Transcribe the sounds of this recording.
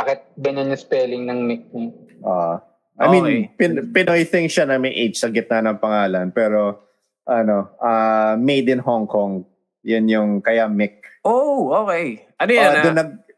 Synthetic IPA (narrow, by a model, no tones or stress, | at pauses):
baːkɪt̪̚bɛnɛnɛspɛːlɪŋnɐŋmɪk̚nɐʔo | ʔɐ̰jminpɪpɪnojθɪŋʃanɐmɛʔejt͡ʃsɐɡɪt̪̚nɐnɐŋpɐŋaːlɐnpɛːɾo | ʔɐno̞ʔɐmejd̪ɪnɦoŋkoŋ | jʊnjʊŋkɐjamɪk̚ʔooːkej | ɐnojad̪ʊnːɐɡ̚